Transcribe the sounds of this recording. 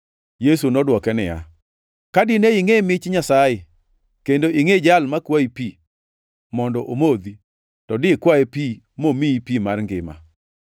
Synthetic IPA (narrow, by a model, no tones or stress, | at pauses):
jesunɔdwɔkɛnɪja̰ | kadɪneiŋemɪt͡ʃɲasaje | kendoiŋed͡ʒalmakwaipi | mɔndɔʔomod̪i | tɔdɪkwaepi | momiipimarŋɡɪ̰ma̰